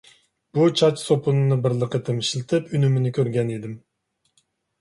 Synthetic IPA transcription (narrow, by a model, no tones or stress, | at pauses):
b̥ut͡ʃʰɑt͡ʃsopʊnɨnɨbɪɾlˠəqʰət̪ʰɨmiʃlɪt̪ʰɪpynymɪnɪkʲʰøɾɡʲɛned̪ɪm